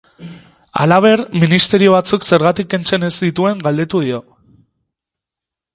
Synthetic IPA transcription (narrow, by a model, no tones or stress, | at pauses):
a̰laβ̞e̞ɾminist̪e̞ɾio̞β̞at͡sukse̞ɾɣat̪ikːe̞nt͡se̞ne̞zd̪it̪ue̞ŋɡald̪e̞t̪uð̞io̞